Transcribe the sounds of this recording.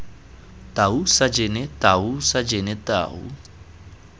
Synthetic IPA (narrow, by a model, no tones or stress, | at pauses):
t̪ausad͡ʒenɛt̪ausad͡ʒenɛt̪a̰ːṵ